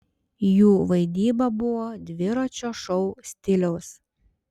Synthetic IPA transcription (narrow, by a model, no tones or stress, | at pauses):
juːʋɐɪd̪ʲiːbɐbʊʋoːd̪ʲʋʲɪɾot͡ʃʲoːʃɔʊsʲt̪ʲɪlʲɛʊs